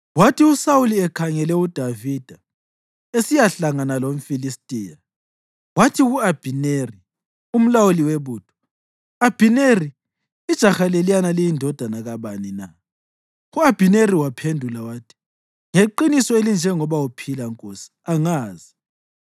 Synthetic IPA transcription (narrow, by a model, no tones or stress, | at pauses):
watiusawuliɛkʰaŋɛlɛud̥ʱavid̥ʱa | esijaɬaŋanalom̩filistʼiːja | watʰiɣuab̥ʱineri | um̩lawuliweβuːd̥ʰʱɔ̥ | ab̥ʱineriː | d̥ʒ̥ʱaxalelijanalijindʱɔd̥ʱanaɣaβanina | uab̥ʱineriwapʰendʱulawatʰi̥ | ŋeǃinisɔelind͡ʒʱɛŋɔβawupʰilaŋkʼosi̥aŋaːzi